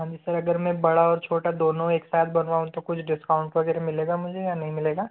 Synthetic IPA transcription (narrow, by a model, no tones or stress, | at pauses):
ɦãd͡ʒ̪isɐɾɐɡəɾmẽbɐɽaɔːɾt͡ʃʰoːʈad̪oːnõeːksaːt̪̚ʰbɐnʋaːũt̪okʊt͡ʃʰɖɪskaːʊ̃ɳʈʋɐɡɛːɾemɪleːɡamʊd͡ʒʱejanɐɦĩmɪleːɡaː